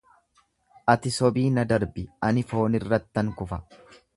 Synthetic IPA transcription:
ʔɐt̪ɪsɔbiːnɐd̪ɐɾbɪɐnɪfo̞ːnɪrːɐt̪ːɐŋkʊfɐ

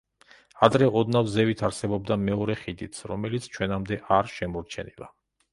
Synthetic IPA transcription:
ad̪ɾɛʔɔd̪navzɛvit̪ʰaɾsɛbɔb̚d̪amɛɔɾɛχid̪it̪sʰɾɔmɛlit̪sʰt͡ʃʰwɛnamd̪ɛʔaɾʃɛmɔɾt͡ʃʰɛ̰nilˠa̰

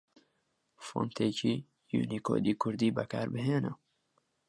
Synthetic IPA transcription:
fo̰nt̪ʰeːciː | jṵːnikʰo̰ːd̪iːkʰʊɾd̪iːbɛkʰaːɾbɨɦeːnə

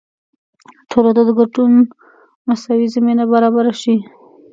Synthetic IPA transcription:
ʈʰolad̪od̪əɡaɖun | masawizaminabaɾɑbaɾaʃi

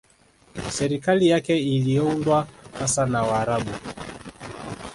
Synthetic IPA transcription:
sɛɾikalijakɛiliɔundwahasanawaːɾaɓu

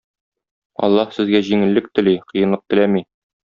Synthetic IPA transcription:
ɒ̰lˠːɑhsɘ̆zɡæʑiŋɘ̆lːɘk̚t̪ɘ̆liqɤ̆jɤ̆nlˠɤq̚t̪ɘ̆læmi

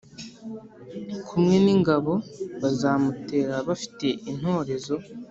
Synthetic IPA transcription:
kʰumŋe̞niŋɡaβo̞βazaːmute̞ːɾaβafi̥te̞ʔin̥ho̞ːɾe̞zo̞

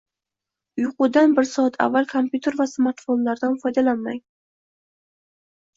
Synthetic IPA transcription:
ʊjqʰʊd̪anbɪɾsɒat̪ʰa̰vːalkʰompʰʲjut̪ʰe̞ɾvasmaɾt̪fo̞nlaɾd̪anfɒjd̪alanmaŋ

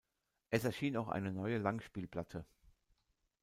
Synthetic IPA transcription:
ʔɛsɛɐʃiːnaʊxʔa̰ɪnənɔʏəlaŋʃpiːlplatʰə

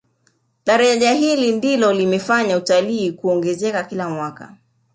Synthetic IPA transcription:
ɗaɾaʄaɦilindilɔlimɛfaɲautaliːkuɔŋɡɛzɛkakilamwaka̰

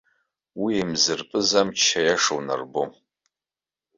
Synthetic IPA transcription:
wiemzɨrpʼɨzamt͡ʃʰajaʂowna̰rbom

